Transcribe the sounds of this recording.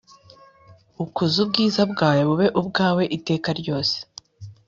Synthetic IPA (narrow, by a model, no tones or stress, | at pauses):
ukuzubɡiːzabɡaːjeβuβe̞ʔubɡaːwe̞ʔite̞ːkaɾɟo̞ːse̥